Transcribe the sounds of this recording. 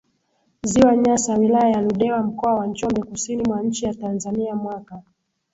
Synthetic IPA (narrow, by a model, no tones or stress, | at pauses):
ziwaɲasawilajajaluɗɛwam̩kɔawant͡ʃɔmbɛkusinimwaɲ̩t͡ʃijatanzaniamwaka